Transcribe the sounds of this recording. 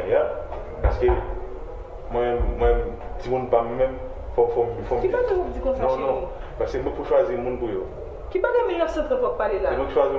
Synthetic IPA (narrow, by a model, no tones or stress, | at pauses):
ja | paske | mw̃ɛ̃mwɛ̃t͡simũnpamɛmɛ̃m | fɔfɔmfɔkkibaɡamũd͡zikɔ̃fnɔ̃nɔ̃ | paskem̩bepuʃwazimũnpujo | kibaɡajmũnkasɛ̃t̪ɛ̃puak̚palelamwɛ̃kiʃwazi